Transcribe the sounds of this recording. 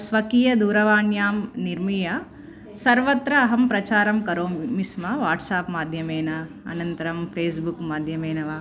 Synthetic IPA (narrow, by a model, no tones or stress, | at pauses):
sʋɐkiːjɐd̪uːɾɐʋaːnjaːmniɾmijɐ | sɐɾʋɐt̪ɾɐːɦɐmpɾɐt͡ʃaːɾɐmkɐɾoːmmismɐʋaːɾʈsaːpmaːd̪ʱjɐmeːnɐ | ɐnɐnt̪ɐɾɐmpʰeːsbukmaːd̪ʱjɐmeːnɐʋaː